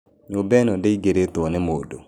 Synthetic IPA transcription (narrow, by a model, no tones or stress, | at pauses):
ɲobɛnɔdeiɡeɾet̪ɔnɛmodo